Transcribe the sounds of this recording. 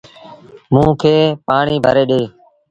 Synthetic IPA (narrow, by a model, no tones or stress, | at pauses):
mũːkʰeːpaːɳiːbʱə̰ɾeːɗeː